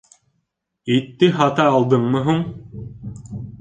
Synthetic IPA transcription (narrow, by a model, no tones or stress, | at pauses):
it̪ːɘɦɑt̪ɑːlˠd̪ɤɴmɤ̆ɦuɴ